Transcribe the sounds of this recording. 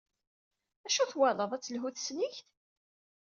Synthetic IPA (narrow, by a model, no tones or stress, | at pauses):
æʃuθwæðəðˤæt͡sːəlɦuθsniçt